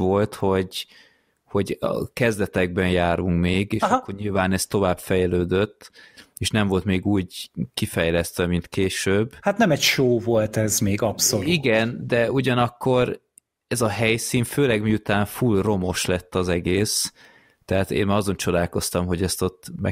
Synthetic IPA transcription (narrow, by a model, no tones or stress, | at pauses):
ʋo̞lt̪ho̞ɟ | ho̞ɟɒ̰kɛzd̪ɛt̪ɛɡ̚bɛnjaːɾuŋkmeːɡeːʃkːo̞rɲilvaːnɛst̪ːo̞vaːbfɛjløːd̪øt̪ːeːʃnɛɱvo̞lt̪meːɡuːɟkifɛjlɛst̪ʋɛmint̪keːʃøːbhat̪nɛmɛcʃoːvo̞lt̪ɛzmeːɡɒpsoliɡɛnd̪ɛuɟɒnɒkːo̞ɾ | ɛzɒɦɛjsiːnføːlɛɡmiut̪aːɱfulro̞mo̞ʃlɛt̪ːɒzɛɡeːs | t̪ɛɦat̪ḛːnmaɒzo̞nt͡ʃo̞d̪aːlko̞st̪ɒmɦo̞ɟɛst̪o̞t̪ːmɛ̰